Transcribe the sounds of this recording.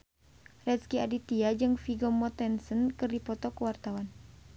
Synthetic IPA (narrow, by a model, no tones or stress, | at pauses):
rɛskia̰dit̪iad͡ʒɨŋfiɡɔmɔt̪ɛnsənkɨrdipɔt̪ɔkuwart̪awan